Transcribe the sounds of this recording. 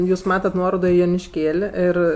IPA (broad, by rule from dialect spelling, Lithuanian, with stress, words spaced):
ˈjuːs ˈmɑːtɐt ˈnuɔroːdoː ɪ joːnʲɪʃʲˈkʲeːlʲ ˈɪr